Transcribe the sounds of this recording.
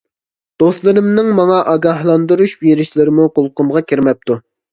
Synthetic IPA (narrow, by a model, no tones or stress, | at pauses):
d̪̥ost̪lˠɨɾɨmnɨŋmɑŋɑʔɑɡɑɦlˠɑnd̪uɾuʃbeɾɪʃlɪɾɪmuqʊlˠqʊmʁɑkʲiɾmɛp̚t̪u